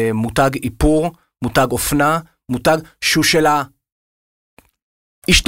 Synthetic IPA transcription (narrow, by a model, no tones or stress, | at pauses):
mutaɡipuʁ | mutaɡofna | mutaɡʃuʃela | iʃt